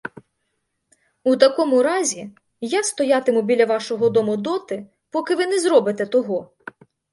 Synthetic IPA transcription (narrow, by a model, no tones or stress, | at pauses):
ut̪ɐkɔmʊɾɑzʲi | jɐkst̪ɔjɑt̪ɪmʊbʲilʲɐʋɑʃɔɦɔd̪ɔmʊd̪ɔt̪ɪ | pɔkɪʋɪnɛzɾɔbɪt̪ɛt̪ɔɦɔ